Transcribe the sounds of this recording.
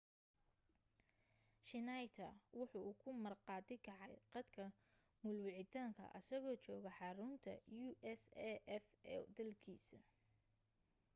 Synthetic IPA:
ʃɪnajt̪ʰɐ̰wʊħuːuːkʰʊmɐrqɑːd̪ɪkʰɐʕɑjqɑd̪kʰɐ | mʊlwɪʕɪt̪ʰaːŋkʰɐ̰ʔɐ̰sɐɣɔːt͡ʃɔːɣɐħɑɾʊnt̪ʰɐ̰juːʔɛsɛʔɛfɛ̰d̪ɐlkʰiːsɐ

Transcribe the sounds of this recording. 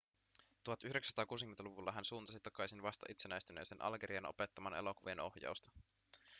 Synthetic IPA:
t̪uɦɑt̪yhydeksæ̥st̪ɑːkuːsik̟met̪ɑluʋulːɑɦænsuːnt̪ɑsit̪ɑkɑjsinʋɑst̪ɑ̰ʔit̪senæjst̪ynḛsenʔɑ̰lɡeɾiɑno̞̰pet̪ːɑmɑnḛlo̞kuʋieno̞hjɑ̰wst̪ɑ̥

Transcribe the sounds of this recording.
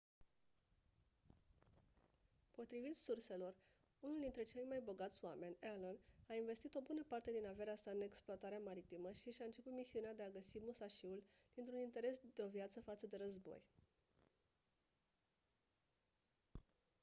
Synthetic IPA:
po̞t̪ɾivit̪surse̞lo̞r | unuld̪int̪ɾe̞t͡ʃe̞ljʲmajbo̞ɡat̪sʲwame̞nʲalənainve̞st̪it̪o̞bunəpart̪e̞d̪inave̞ɾeasaɨne̞ksploat̪aɾeamaɾit̪iməʃiʃaɨnt͡ʃe̞put̪misiunead̪e̞aɡəsimusaʃiul | d̪̥int̪ɾunint̪e̞ɾe̞sd̪eo̞vijat̪səfat̪səd̪e̞ɾəzbo̞̰j

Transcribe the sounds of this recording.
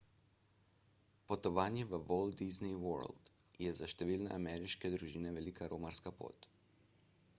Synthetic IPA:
pot̪ɔʋaːnjɛʋəʋold̪iznijwɔ̰ɾld̪ | jɛzaʃt̪ɛʋiːlnɛ̰ʔamɛɾiʃkɛd̪ɾuʒiːnɛʋɛlikaɾʔoːmaɾskapo̰ːt̪

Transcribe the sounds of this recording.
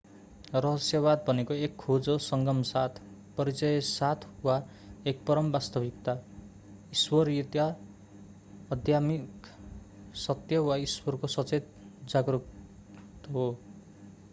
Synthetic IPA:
rʌɦʌsjʌbad̪̚bʱʌnekoekʰːod͡zosʌŋɡʌmsat̪ʰ | pʌɾit͡sʌjʌsat̪ʰwa | ek̚pʌɾʌmbast̪ʌbʱik̚t̪a | iswʌrjut̪ja | ʌd̪ʱjamik | sʌt̪jʌwaiswʌrkosʌt͡set̪̚ | d͡zaɡruk | t̪ɦo

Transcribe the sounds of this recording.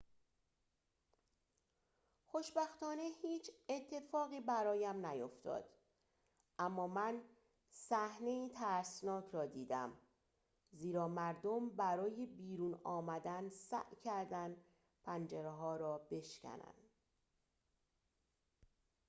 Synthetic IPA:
xo̞ʃbæxt̪ɒːne̞hiːt͡ʃʰet̪ʰːe̞fɒːɣiːbæɾɒːjæmnæjo̞ft̪ɒ̰ːd̪̥ | ʔæmːɒːmæn | sæhne̞iːt̪ʰæɾsnɒːcʰɾɒːd̪iːd̪æ̰m | ziːɾɒːmæɾd̪ombæɾɒːjebiːɾuːnɒːmæd̪ænsæ̰ʔcʰæɾd̪æn | pʰænd͡ʒeɾeɦɒːɾɒːbe̞ʃcʰæ̰næ̰n

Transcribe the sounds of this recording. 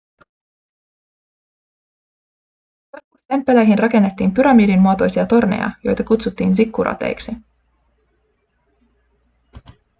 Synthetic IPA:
kɑskust̪e̞mpːe̞lejɦinrɑke̞nːe̞t̪ːiːmpyɾɑmiːdinmuot̪o̞jsiɑt̪o̞rnḛjɑ̰jo̞̰jt̪ɑkut̪sut̪ːiːnsikːuɾɑ̰t̪e̞̰jksi

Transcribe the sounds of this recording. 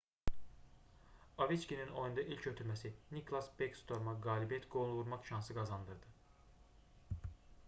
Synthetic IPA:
ɑvit͡ʃcʲinino̞jund̪ɑʔilʲcʰøt̪ʰymæsinikʰlˠɑsbekst̪ʰo̞ɾmɑɡɑːlibijɛt̪ɡo̞nlˠuuɾmɑkʃɑnsɯɡɑzɑnd̪ɯɾd̪ɯ

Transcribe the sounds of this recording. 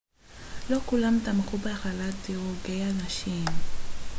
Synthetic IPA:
lo̞kulamtamχubeaχalat̪iʁoɡejanaʃim

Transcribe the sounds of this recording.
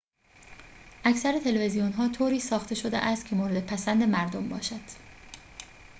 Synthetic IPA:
ʔæcsæɾet̪ʰe̞levezijonɦɒːt̪ʰoːɾiːsɒːxt̪ʰe̞ʃod̪ḛʔæst̪kcʰe̞moːɾe̞d̪epʰæsænd̪e̞mæɾd̪ombɒ̰ːʃæd̪̥

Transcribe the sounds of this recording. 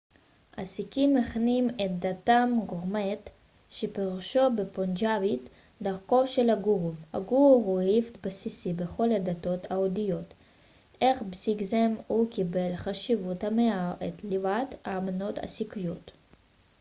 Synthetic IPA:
ʔasikimːeχnimet̪̚d̪at̪amɡoʁmet̪ | ʃepeʁuʃo̞bepond͡ʒavit | d̪aʁko̞ʃelaɡuʁha̰ɡuʁʁuhift̪basisibeχo̞lad̪at̪o̞t̪aod̪ijo̞t̪ | eχbsiɡzemukibe̞lχaʃivut̪hameaʁet̪livat̪aːmano̞t̪a̰sikijo̞t̪

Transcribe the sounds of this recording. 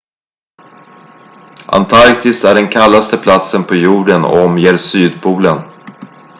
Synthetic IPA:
ʔa̰nt̪ʰaɾkt̪ɪst̪æɖɛnkʰalːast̪əpʰlat̪sənpʰɔjuːɖən̰ɔ̰ɔmjeːɾsyːd̪̚pʰuːlən

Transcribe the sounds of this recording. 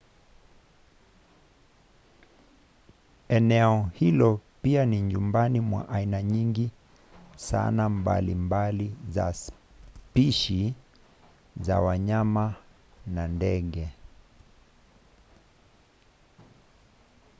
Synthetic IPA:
ɛnɛɔhilɔpianiɲumbanimwa̰ʔainaɲiŋɡi | sa̰namba̰limbaliza̰s | piʃi | za̰waɲama | nandɛɠɛ

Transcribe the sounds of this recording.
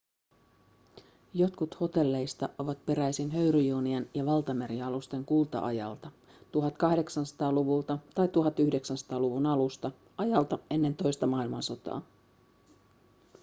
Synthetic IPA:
jo̞t̪kut̪ho̞t̪e̞lːe̞jst̪ɑʔo̞ʋɑt̪̚pe̞ɾæjsinɦø̞ɥɾyjuːniɑnjɑʋɑlt̪ɑmeɾiɑlust̪e̞ŋkult̪ɑ̰ʔɑ̰jɑ̰lt̪ɑ | t̪uɦɑt̪kɑhde̞ksɑnsɑ̥t̪ɑːluʋult̪ɑt̪ɑjt̪uɦɑt̪ːyhde̞ksænsɑ̥t̪ɑːluʋunɑlust̪ɑ | ʔɑjɑlt̪ɑe̞nːe̞nt̪o̞jst̪ɑmɑilmɑnso̞t̪ɑ̰ː

